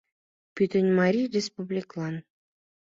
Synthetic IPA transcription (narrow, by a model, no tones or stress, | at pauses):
pʲyt̪ɘ̆nʲmɑɾʲirʲespublʲiklˠɑn